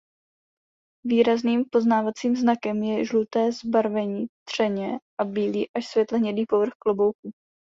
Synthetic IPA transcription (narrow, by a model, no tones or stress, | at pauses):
viːɾazniːmpo̞znaːvat͡siːmznakɛmjɛʒlut̪ɛːzbaɾvɛɲiːt̪r̝̥ɛɲɛʔabiːliːʔaʃsvʲjɛt̪lɛɦɲɛdiːpo̞vr̩xklobo̞wk̚u